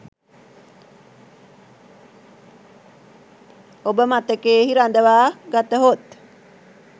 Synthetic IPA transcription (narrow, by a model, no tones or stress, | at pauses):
obəmat̪əkeːɦiɾand̪əʋaːɡat̪əɦot̪